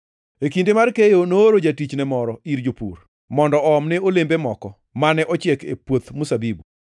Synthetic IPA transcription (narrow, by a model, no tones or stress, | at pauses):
ekindemarkejonooɾod͡ʒatit͡ʃnɛmɔɾɔiɾd͡ʒopṵr | mɔndɔɔmnɛolembemɔkɔ | manɛʔɔt͡ʃɪɛkḛpwot̪musabibu